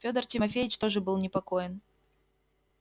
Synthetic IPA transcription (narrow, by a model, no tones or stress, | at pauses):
fʲod̪ərtʲɪmɐfʲejɪt͡ɕt̪o̞ʐɨbɨlˠnʲɪpɐko̞jɪn